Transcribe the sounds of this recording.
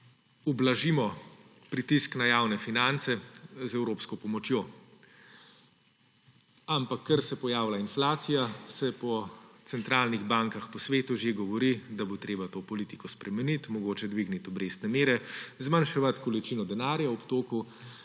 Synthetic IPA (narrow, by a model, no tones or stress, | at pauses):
ɔblaʒimɔ | pɾit̪isknajaːwnɛfinant̪sɛzɛwɾoːpskɔpɔmɔt͡ʃjoː | ampakʰːɐɾsɛpɔjaːwlainflaːt̪sijasɛpɔt̪sɛnt̪ɾaːlniɣbaŋkaxpɔsʋeːt̪uʒeɡɔʋɔɾid̪abot̪ɾeːbat̪oːpɔlit̪ikɔspɾʔɛmɛnit̪mɔɡoːt͡ʃɛd̪ʋiɡnit̪ɔbɾeːst̪nɛmeːɾɛzmanʃɛʋat̪kɔlit͡ʃinɔd̪ɛnaːɾjaɔpt̪oːku